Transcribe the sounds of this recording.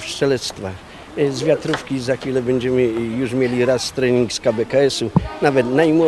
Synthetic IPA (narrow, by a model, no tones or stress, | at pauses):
fʂɛlɛt̪st̪fa | zvʲjat̪ɾufkʲizaxfʲilɛbɛɲd͡ʑɛmɘjuʐmʲjelʲiɾast̪ɾɛɲʲiŋkskabɛkaɛsunavɛt̪najmwɔ